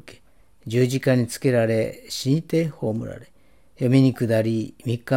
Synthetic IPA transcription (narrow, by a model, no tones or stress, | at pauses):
ke̥ | d͡ʑɨːʑikaɲ̟it͡sɨ̥ke̞ɾaɾe̞ɕĩnt̪eːho̞ːmɯ̟ɾa̰ɾe | jomʲiɲ̟ikɯ̟d̪aɾʲimʲikːa